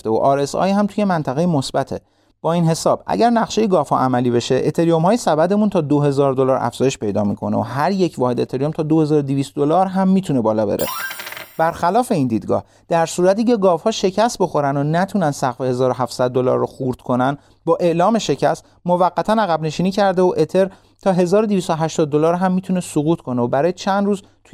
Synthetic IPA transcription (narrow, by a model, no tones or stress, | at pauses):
t̪eo̰ʔɒɾesɒ̰ːhæmt̪ʰuːje̞mænt̪ʰæɣejemosbæt̪ʰe̞ | b̥ɒːinɦe̞sɒːb̥ʔæ̰ɟæɾnæɣʃejeɡɒːfhɒ̰ʔæmæliːβe̞ʃeʔet̪ʰe̞ɾijomhɒːjesæbæd̪e̞munt̪ʰɒːd̪oɦe̞zɒːɾd̪o̞lɒːɾʔæ̰fz̥ɒːjeʃpe̞jd̪ɒːmikʰo̞neoɦæɾjecʰvɒːhed̪et̪ʰe̞ɾijo̞mt̪ʰɒːd̪o̞he̞zɒːɾod̪iviːst̪̚d̪olɒːɾɦæmːiːt̪ʰunebɒːlɒːbe̞̰ɾḛb̥æɾxælɒːfe̞iːnd̪iːd̪ɡɒ̰ːh | d̪̥æɾsuːɾæt̪iːce̞ɡɒːvhɒːʃe̞cʰæst̪̚bo̞xo̞ɾænonæt̪ʰunænd̪sæɣfehe̞zɒːɾoɦæfsæd̪̚ːo̞lɒ̰ːɾːoxuɾt̪kʰo̞næn | bɒːʔe̞ʔlɒːme̞ʃe̞cʰæst̪ | mo̞væɢːæt̪ʰænæɣæbne̞ʃiːniːcʰæɾd̪eoʔe̞t̪ʰe̞ɾ | t̪ʰɒːɦe̞zɒːɾod̪ivist̪oɦæʃt̪ɒːd̪̚ːo̞lɒːɾɦæmːiːt̪ʰune̞soɣuːt̪ʰkʰo̞neobæɾɒːjet͡ʃʰænd̪ɾuːz | t̪ʰu